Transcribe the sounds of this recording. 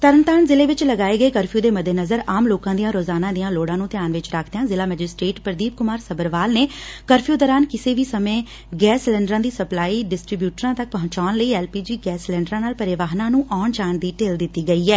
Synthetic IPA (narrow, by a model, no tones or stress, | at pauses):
t̪əɾənt̪aːɳzɪleːʋɪt͡ʃləɡaːeːɡəeːkəɾpʰijũːd̪eːməd̪ʱenəzəɾaːmloːkãːd̪ijãːɾoːzaːnãːd̪ijãːloːɽãːnũːt̪ɪjaːnʋɪt͡ʃɾaːkʰd̪ejãːzɪlaːmɛːd͡ʒɪsʈɾeːʈpəɾəd̪iːp̚kʊmaːɾsəbəɾʋaːlneːkəɾpʰijoːd̪ɔːɾaːnkɪseːʋiːsəmẽː | ɡɛːslɛːɳɖəɾãːd̪iːsəplaːiːɖɪsʈɾiːbjuːʈəɾãːt̪ək̚pəɦʊ̃ɲt͡ʃaːnləiːɛːlpiːd͡ʒiːɡɛːslɛ̃ːɳɖɾãːnaːlpəɾɪʋaːɦnãːnũːʔɔːɳd͡ʒaːɳd̪iːʈeːld̪ɪt̪ːiːɡəiːɛː